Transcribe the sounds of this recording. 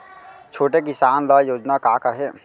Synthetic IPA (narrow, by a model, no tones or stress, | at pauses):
t͡ʃʰoːʈek̬ɪsaːnləjoːd͡ʒnakaːkəɾɦeː